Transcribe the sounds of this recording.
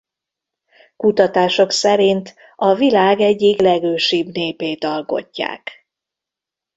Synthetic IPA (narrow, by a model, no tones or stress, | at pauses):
kut̪ɒt̪aːʃo̞ksɛɾint̪ | ɒvilaːɡɛɟːiklɛɡøːʃibneːpeːt̪ɒlko̞̰cːa̰ːk